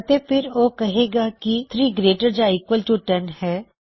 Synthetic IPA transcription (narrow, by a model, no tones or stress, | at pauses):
ɐt̪epʰɪɾoːkɐɦeːɡakit̪ʰɾiːɡɾeːʈəɾd͡ʒaiːkwəlʈuʈɐnhɛː